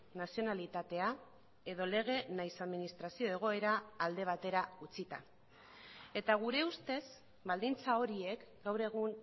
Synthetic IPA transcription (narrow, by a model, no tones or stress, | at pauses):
nasio̞nalit̪at̪e̞a | e̞ðo̞le̞ɣ̞e̞najsaðminist̪ɾasio̞e̞ɣ̞o̞e̞ɾaːld̪e̞β̞at̪e̞ɾaut͡sit̪a | e̞t̪aɣ̞uɾe̞ust̪e̞z | bald̪int͡sao̞ɾie̞kɡawɾe̞ɣun